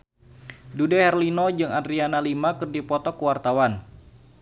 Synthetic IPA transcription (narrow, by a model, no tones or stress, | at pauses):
dudɛhɛrlinɔd͡ʒɨŋadɾianalimakɨrdipɔt̪ɔkwart̪awan